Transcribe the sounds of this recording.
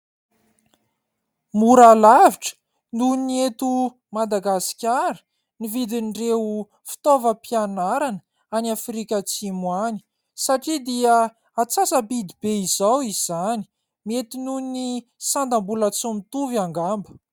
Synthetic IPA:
muɾalaviʈ͡ʂə̥ | nuiniet̪u | mad̪aɡasi̥kʲaɾə̥ | nivid̪inɖ͡ʐeu | fi̥t̪ovəpianaɾanə | aniafɾikʲət͡simwani̥ | saʈ͡ʂid̪iə | at͡sasəpid̪ibeizawiz̥ani̥ | miet̪inunni | sand̪ambulət͡sumit̪uviaŋɡambə̥

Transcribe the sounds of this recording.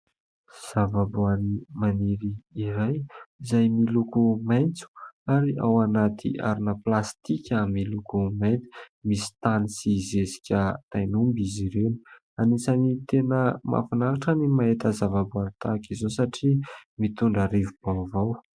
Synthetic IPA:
z̥avabuanimaniɾiiɾajzajmilukumajnt͡su̥aɾia̰wanat̪ʰḭa̰ɾinəplast̪ikʰʲamilukumajnt͡su̥misi̥t̪anisizesi̥kʲət̪ajnumbiziɾeni̥ | anisanit̪enəma̰fanaɾaʈ͡ʂənimaet̪əzavabuanit̪akizosaʈ͡ʂimit̪uɳɖ͡ʐaɾivub̥avaw

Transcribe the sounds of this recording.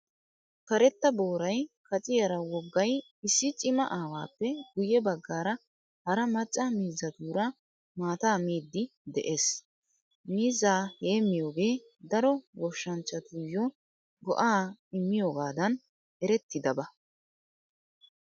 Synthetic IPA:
kɐɾɛt̪ːɐbo̞ːɾɐjkɐt͡sʼɪjɐɾɐwɔɡːɐj | ɪsːɪt͡ʃʼɪmɐʔaːwaːpːɛɡʊjɛbɐɡːaːɾɐ | hɐɾɐmɐt͡ʃʼːɐmiːzːɐt̪uːɾɐ | maːt̪aːmiːd̪ːɪd̪ɛʔe̞ːs | miːzaːhe̞ːmːɪjo̞ːɡe̞ː | d̪ɐɾɔwɔʃːɐnt͡ʃːɐt̪ujːɔ | ɡɔ̰ʔaːɪmːɪjo̞ːɡaːd̪ɐn | ʔɛɾɛt̪ːɪd̪ɐbɐ

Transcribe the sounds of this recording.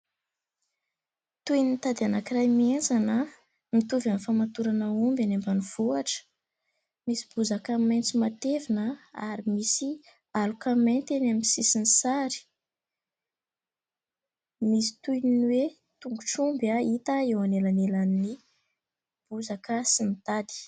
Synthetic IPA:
t̪ujnit̪ad̪eanakirajmianzanə | mit̪uvanifamat̪uɾanaumbanambanuv̥uaʈ͡ʂə̥ | misi̥b̥uzakament͡simat̪evinəa̰ɾimisi | alukament̪enamisisinisaɾi̥ | misi̥t̪ujninwe | t̪uŋɡuʈ͡ʂumbait̪aewanelanelanni | b̥uzakəsinit̪ad̪i̥

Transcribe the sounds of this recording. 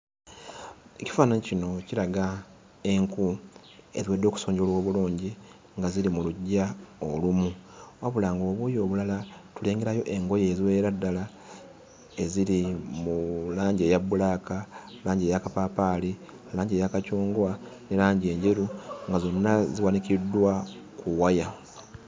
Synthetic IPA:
eci̥faːnaɲicino̞cilaɡa | e̞ŋku | e̞̰ziwe̞ːdːo̞ːku̥so̞ːɲɟo̞lwo̞ːβuluːɲɟi | ŋɡazilimuluɟːaolumuwaβulaːŋɡo̞ːβuːjo̞ːβulalatule̞ːŋɡe̞ɾajo̞ʔe̞ŋɡo̞je̞ziwe̞ːɾadːala | e̞ziɾimulaːɲɟe̞ːjabulaka | laːɲɟejakapapaːli | alaːɲɟeːjakacuːŋɡwanelaːɲɟie̞ːɲɟe̞ɾuŋɡazo̞nːaziwanikidːwa | kuwaja

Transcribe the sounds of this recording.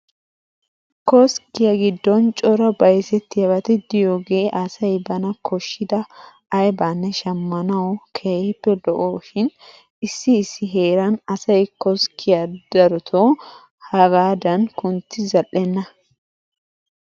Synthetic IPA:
kɔskɪjɐɡɪd̪ːɔnt͡ʃʼɔɾɐbɐjsɛt̪ːɪjɐbɐt̪ɪd̪ɪjoːɡeːʔɐsɐjbɐnɐkʰɔʃːɪd̪ɐ | ɐjbaːnːɛʃɐmːɐnɐwkʰepːɛd̪ɔʔoːʃɪn | ɪsːɪːsːɪɦe̞ːɾɐnɐsɐjkɔskʰɪjad̪ɐɾɔt̪ʰoː | hɐɡaːd̪ɐnkʊnt̪ːɪzɐlʔɛnːɐ

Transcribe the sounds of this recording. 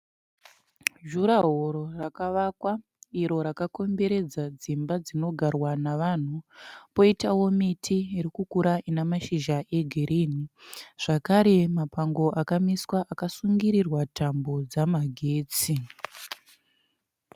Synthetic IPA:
ʒuɾaɦoɾorakaʋakwa | iɾo̞ɾakako̞mbe̞ɾe̞d͡zad͡zimbad͡zino̞ɡʱarwanaʋan̤upo̞itawo̞mitʰiiɾikukuɾaʔinamaʃiʒaʔe̞ɡʱiɾiːniʐ̥akaɾe̞mapaŋɡo̞ʔakamiswaʔakasuŋɡiɾirwatambo̞d͡zamaɡʱe̞ːt͡si

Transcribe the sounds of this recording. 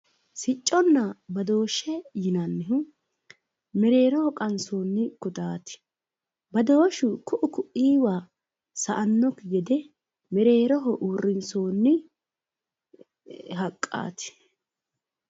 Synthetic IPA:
sɪt͡ʃʼːɔnːɐbɐd̪o̞ːʃːɛjɪnɐnːɪɦʊ | mɛɾe̞ːɾɔhɔkʼɐnso̞ːnːɪkʊt̪aːt̪ɪ̥ | bɐd̪oːʃʊkʊʔʊkʊʔiːwaː | sɐʔɐnːɔkɡɛd̪ɛ | mɛɾe̞ːɾɔɦɔʔuːrːɪnso̞ːnːɪ | ɦɐkʼːa̰ːt̪ɪ̥

